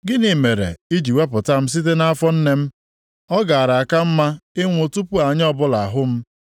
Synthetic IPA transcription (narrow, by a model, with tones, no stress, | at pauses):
ɡɪ˦ni˨me˨ɾḛ˨i˦d͡ʒi˨we˦pʊ˨ta˦m̩˦s̬i˦t̬e˦na˦a˦fɔ˦n̩˦ne˦m̩˦ | ɔ˦ɡa˨a˨ɾa˨a˨ka˦m̩˦ma˦ɪ˦ŋʷo˨tu˦pu˦a˨ɲ˦ɔ˦bʊ˦la˨a˨ɦʊ˦m̩˦